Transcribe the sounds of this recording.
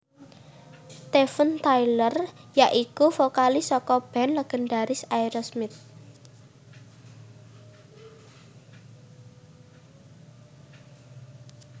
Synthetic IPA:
t̪ɛfənt̪ajlərjaʔikufokalisɔkɔb̥ɛnləɡ̥ə̤ndaɾɪsaiɾɔsmɪt̪̚

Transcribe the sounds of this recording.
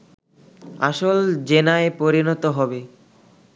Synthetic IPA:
aʃold͡ʑenaepoɾinɔt̪oɦɔbe

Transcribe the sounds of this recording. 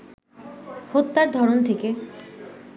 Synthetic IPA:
hot̪ːaɾd̪ʱɔɾont̪ʰeke

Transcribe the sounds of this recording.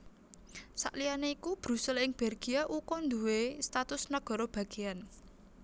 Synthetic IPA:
sa̰ʔlianeikub̥ɾṳsɛlɪŋb̥ɛrɡ̥iaʔukɔnd̪uwest̪at̪ʊsnəɡ̥ɔ̤ɾɔb̥ä̤ɡ̥e̤an

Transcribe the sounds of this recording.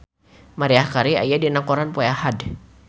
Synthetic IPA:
maɾiahkaɾia̰jadinakɔɾanpuahad

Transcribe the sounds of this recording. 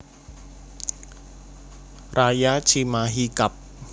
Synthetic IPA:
ɾajat͡ʃʰimaɦikap̚

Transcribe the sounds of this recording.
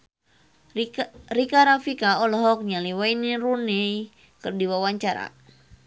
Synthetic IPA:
rikaɾafikaɔlɔɦɔk̚ɲaliwainirunɛ | kɨrdiwawaɲt͡ʃaɾa̰

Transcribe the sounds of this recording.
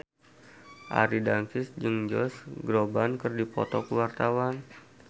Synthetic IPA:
ʔa̰ɾidankɪsd͡ʒɨŋd͡ʒɔsɡɾobankərdipɔ̰t̪ɔkəwart̪awan

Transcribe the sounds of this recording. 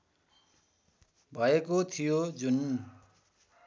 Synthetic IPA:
bʱʌekot̪ʰijod͡zun

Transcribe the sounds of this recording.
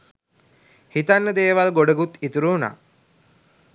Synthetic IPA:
hit̪anːəd̪eːʋalɡoɖəɡut̪it̪uɾuuna̰ː

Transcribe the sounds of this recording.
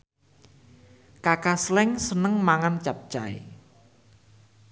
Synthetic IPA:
kakaslɛŋsənəŋmaŋant͡ʃap̚t͡ʃaḭ

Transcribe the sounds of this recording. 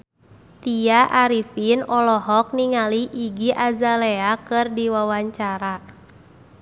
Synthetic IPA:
t̪iaʔaɾifinɔlɔɦɔk̚niŋaliʔːɡiʔazaleakɨrdiwawaɲt͡ʃaɾa

